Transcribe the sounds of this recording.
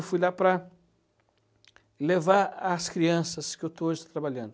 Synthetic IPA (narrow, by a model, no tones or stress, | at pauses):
wfujlapɾɐ | levaɾaskɾiɐ̃sɐskɪewt̪ooʒɪat̪ɾabaʎɐ̃nd̪